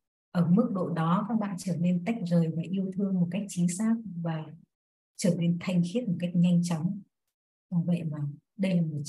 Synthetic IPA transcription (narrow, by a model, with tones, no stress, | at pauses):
ʔəː˧˩mɨ˦˥k̚ɗo̰˧˨ɗɔ˨˦kaː˦˥k̚ɓa̰ː˧˨nt͡ɕəː˧˩ne˧nt̪a˦˥jk̚zəː˨˩jvaː˨˩ʔi˧əwt̪ʰɨ˧əŋmo˨˩t̚ka˦˥jk̚t͡ɕi˨˦ŋsaː˦˥k̚vaː˨˩ | t͡ɕəː˧˩ne˧nt̪ʰa˨˩jŋ̟xi˦˥t̚mo˨˩t̚ka˦˥jk̚ɲa˧jŋ̟t͡ɕɔ˨˦wŋ͡m | zɔ˧˩və̰˧˨jmaː˨˩ | ɗə˧jlaː˨˩mo˨˩t̚